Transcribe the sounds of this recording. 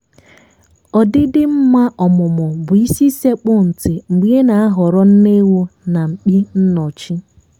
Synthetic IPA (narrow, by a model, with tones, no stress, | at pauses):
ɔ˨dɪ˦dɪ˦m̩˦ma˦ʔɔ˨mʊ˨mʊ˨bʊ˨i˦si˦se˦k͡pʊ˦n̩˨tɪ˨ŋ͡m̩˨ɡ͡bi˦e˦na˨a˦ɦɔ˨ɾɔ˦n̩˦ne˦wu˦na˨ŋ͡m̩˨k͡pi˦n̩˦nɔ˨t͡ʃi˦